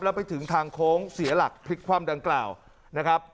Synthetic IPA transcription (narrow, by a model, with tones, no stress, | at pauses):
lɛ˦˥wpa˧jt̪ʰɯ˩˦ŋt̪ʰaː˧ŋkʰoː˦˥ŋsi˩˦ɐla˨˩k̚pʰɾi˦˥t̪̚kʰwaː˧mda˧ŋklaː˨˩w | na˦˥kʰɾa˦˥p̚